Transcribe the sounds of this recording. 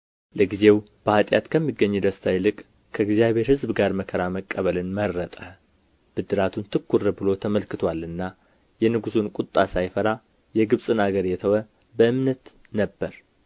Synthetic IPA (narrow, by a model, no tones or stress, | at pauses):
ləɡize̞w | b̥əhat̪ʼjat̪kʰəmːiɡːəɲːɛd̪əst̪ʰajlɨkʼ | kʰəɪɡzijaβe̞ɾhɨzbɡaɾməkʰəɾaməkʼːəβəlɨnmərːət̪ʼə | b̥ɨd̪ːɨɾat̪ʰunt̪ʰɨkʰːuɾəbɨlo̞t̪ʰəməlkɨt̪ʰwalɨnːa | jɛnɨɡusunkʼut̪ʼːasajfəɾa | jɛɡɨβsʼɨnaɡəɾjɛt̪ʰəwə | bəʔɨmnət̪ | nəbːəɾ